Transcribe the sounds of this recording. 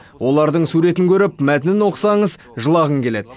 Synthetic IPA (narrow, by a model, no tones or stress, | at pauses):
wo̞lˠɑɾd̪əɴsuɾe̞t̪ɪŋkʲʰɵɾɪpmæt̪ɪnɪnwo̞qə̥sɑɴəz | ʒəlˠɑʁəŋkʲʰe̞le̞d̪